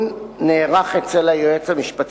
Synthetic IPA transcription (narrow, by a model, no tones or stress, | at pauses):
nneːʁaχet͡selajoet͡shamiʃpat̪